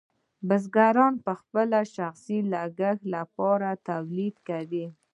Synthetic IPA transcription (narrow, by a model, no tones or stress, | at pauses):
bəz̬ɡaɾɑnpəxpəlaʃaxsilaɡaxlapɑɾat̪awlid̪kawi